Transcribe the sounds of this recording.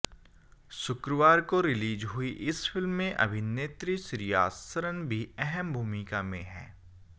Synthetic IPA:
sʊkɾəʋaːɾkoɾɪliːd͡ʒɦʊiʔɪsfɪlmːẽʔɐ̰bʱɪneːt̪ɾisɾija̰ːsəɾənbʱiɛɦɛmbʱuːmɪkamḛ̃ɦɛ̰̃ː

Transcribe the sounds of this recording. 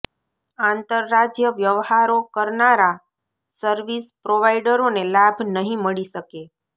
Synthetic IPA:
ãnt̪əɾːad͡ʒjəʋjəʋhaɾokəɾnaɾa | səɾʋispɾoʋaiɖəɾonelabʱnəɦĩməɭiʃəke

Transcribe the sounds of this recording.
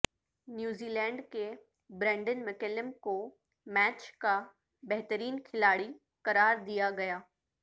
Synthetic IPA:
njuːziːlɛ̃ːɳɖke | bɾɛ̃ːɳɖənmɪkeləmko | mɛːt͡ɕka | bɐɦt̪əɾiːnkʰɪlaːɽi | kɐɾaːɾd̪ijaɡɐjaː

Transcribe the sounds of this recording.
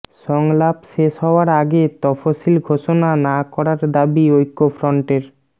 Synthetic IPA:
ʃɔŋlapʃeʃɦɔoaɾaɡet̪ɔfosilɡʱoʃonanakɔɾaɾd̪abiojkːofɾɔɳʈeɾ

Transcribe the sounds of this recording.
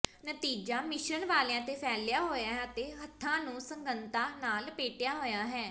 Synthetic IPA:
nət̪iːd͡ʒaːmɪʃənʋaːleãːt̪eːpʰɛːljaːɦoːjaːɦɛt̪eːɦət̪ʰːãːnũːsəŋɡənt̪ãːnaːlpeːʈɪjaːɦoːjaːɦɛː

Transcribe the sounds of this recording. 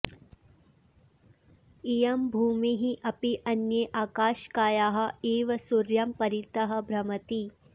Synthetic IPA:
ijɐmbʱuːmiɦiʔɐpiʔɐnjeʔaːkaːʃkaːjaːɦɐ̆eːʋɐsuɾjɐmpɐɾit̪ɐɦɐ̆bʱɾɐmɐt̪i

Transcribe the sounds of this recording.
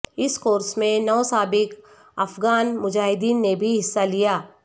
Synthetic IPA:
ɪskoːɾsmẽnɔːsaːbɪk | ɐfɡaːnmʊd͡ʒaːɦɪd̪iːnːebʱiɦɪsːalijaː

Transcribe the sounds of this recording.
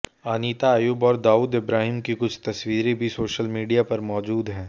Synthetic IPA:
aːniːt̪aːjuːbɔːɾd̪aːuːd̪ɪbɾaːɦɪmkikʊt͡ʃʰt̪ɐswiːɾẽbʱisoːʃəlmiːɖijapɐɾmɔːd͡ʒuːd̪ɦɛ̃ː

